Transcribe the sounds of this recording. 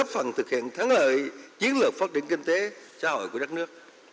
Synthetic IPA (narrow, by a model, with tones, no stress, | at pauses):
ə˦˥p̚fə̰˧˩nt̪ʰɨ˨˩k̚hḭ˧˨ənt̪ʰaː˨˦ŋlə̰ː˧˨jt͡ɕi˨˦ənlɨ˨˩ək̚faː˦˥t̚t͡ɕi˧˨nki˧ŋ̟t̪e˨˦saː˧˦ɦo̰˧˨jku˧˩əɗa˦˥k̚nɨ˦˥ək̚